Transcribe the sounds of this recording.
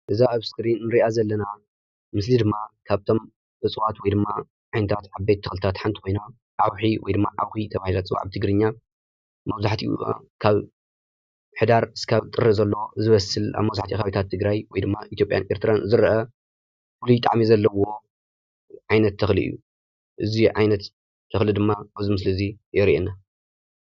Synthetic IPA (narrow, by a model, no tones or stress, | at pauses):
ʔɨzaʔɨβskɾinːɨɾiʔazɐlːɐna | mɨslid̪ɨmːakʰaβt̪ʰo̞m | ʔɨsʼɨwat̪wɔjd̪ɨmːa | ʕajnɨt̪ʰat̪ʕaβbet̪ʰːɐxlɨt̪ʰat̪ħant̪ʰi̥kʰo̞jna | ʕawħiwɔ̰jd̪ɨmːa̰ʕa̰wxit̪ʰɐβahilat͡sʼβa̰ʕt̪ʰɨɡɾɨɲːa | mɐβzaħt̪ʰḭṵa̰kʰaβ | ħɨd̪aɾskʰaβt̪ʼɨrːɨzɐlːowozɨβɐsɨla̰βmɐβzaħt̪ʰixaβit̪ʰat̪ʰːɨɡɾajwɔjd̪ɨmːaʔit̪jo̞pʼja̰nʔeɾt̪ʰɨɾanzɨɾʔɐ | fulujt̪ʼa̰ʕmizɐlːɐwo̞ | ʕajnɐt̪ʰːɐxlḭʔɨ̰jːṵ | ʔɨziʕajnɐt̪ːʰ | ɐxlɨd̪ɨmːabɐzɨmɨslɨzi | ʔɪɾiʔenːa